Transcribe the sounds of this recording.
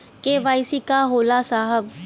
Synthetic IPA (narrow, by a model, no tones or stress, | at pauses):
keʋaːɪsikaɦoːlasaːɦəb